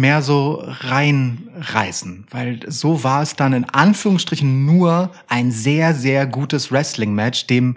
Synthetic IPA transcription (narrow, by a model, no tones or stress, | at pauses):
meːɐzoːʁaɪnʁa̰ɪsn̩v̥aɪlzoːvaːɐɛsd̥anɪnʔanfyːʁʊŋsʃtʁ̥ɪçn̩nuːɐʔaɪnzeːɐzeːɐɡuːtəsʁɛslɪŋmɛt͡ʃd̥eːm